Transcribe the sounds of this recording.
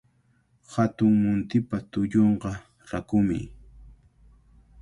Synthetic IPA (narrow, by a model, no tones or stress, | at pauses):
hat̪ʊŋmʊnt̪ɪpat̪ʊʎoɴɢɑ | ɾakʊmɪ̰